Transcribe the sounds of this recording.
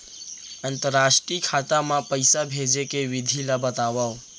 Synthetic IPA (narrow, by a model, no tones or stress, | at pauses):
ənt̪əɾaʃʈɾikʰat̪amãpəɪsabʱed͡ʒekeʋɪd̪ʱilabət̪aʋa